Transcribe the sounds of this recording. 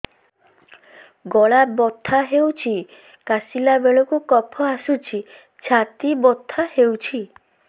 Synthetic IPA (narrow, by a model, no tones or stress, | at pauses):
ɡɔɭabɔt̪ʰːaɦewt͡ʃʰi | kasilabeɭɔkukɔpʰɔasut͡ʃʰi | t͡ʃʰat̪ibɔt̪ʰːahewt͡ʃʰi